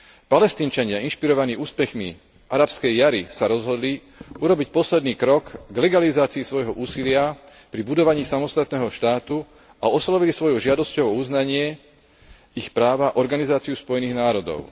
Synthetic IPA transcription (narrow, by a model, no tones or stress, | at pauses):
palɛst̪iːnt͡ʃaɲɪainʃpiɾɔʋaniːuːspɛxmḭ | ʔaɾapskɛjːaɾisaɾɔzɦɔd̪li | uɾɔbicpɔslɛd̪niːkɾɔkɡlɛɡalizaːt͡siːsʋɔjɦɔʔuːsilɪa | pɾibud̪ɔʋaɲiːsamɔst̪at̪nɛːɦɔʃt̪aːt̪u | aɔslɔʋilisʋɔjuʒɪad̪ɔscɔʊɔuznaɲɪɛ | ixpɾaːʋaʔɔɾɡanizaːt͡siuspɔjɛniːɣnaːɾɔd̪ɔ̰ʊ